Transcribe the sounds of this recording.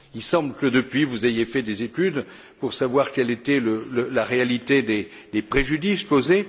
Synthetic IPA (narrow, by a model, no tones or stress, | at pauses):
ilsɑ̃bləkəd̪əpɥivuzejefɛd̪ezet̪yd̪ | puʁsavwaʁkʲɛlet̪ɛlələlaʁealit̪ed̪e | d̪epχeʒyd̪iskoze